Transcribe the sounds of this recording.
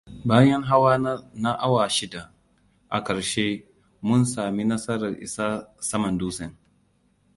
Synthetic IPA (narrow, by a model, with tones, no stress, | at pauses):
baː˦jɛ˦ŋɦa˦waː˦na˦ʔa˦waː˨ʃɪ˦da˨ | ʔa̰˨kɐ˨ɾʃeː˦ | mʊ˦nsaː˨mi˦nɐ˦sɐ˦ɾɐ˨rʔɪ̰˨sa˦sɐ˦mɐ˨nduː˦sɛ˨n